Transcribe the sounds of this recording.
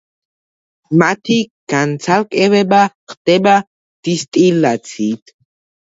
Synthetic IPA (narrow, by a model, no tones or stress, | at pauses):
mat̪ʰiɡ̥ant͡sʰalkʼɛwɛbaχt̪ɛba | d̪̥ist̪ʼilːat͡sʰit̪